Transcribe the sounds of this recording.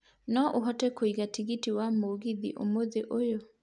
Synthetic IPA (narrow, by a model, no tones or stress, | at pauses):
nɔʔoɦɔtɛkoiɣatiɣitiwamoɣiðḭʔo̰moðeʔojo